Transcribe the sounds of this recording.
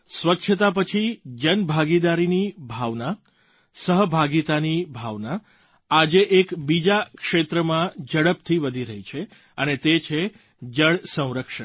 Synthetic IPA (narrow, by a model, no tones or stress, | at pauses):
sʋətːʃʰət̪ap̬ət͡ʃʰid͡ʒənbʱaɡid̪aɾinibʱaʋna | səɦbʱaɡit̪anibʱaʋna | ad͡ʒeʔekbid͡ʒakʂet̪ɾəmãd͡ʒəɽəpt̪ʰiʋəd̪ʱiɾəɦit͡ʃʰe | ənet̪et͡ʃʰe | d͡ʒəɭsə̃w̃ɾəkʃəɳ